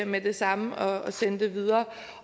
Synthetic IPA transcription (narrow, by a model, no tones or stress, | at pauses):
med̥e̝sɑ̈məɒ̽ːsenəd̥e̝ʋið̞ˠɐː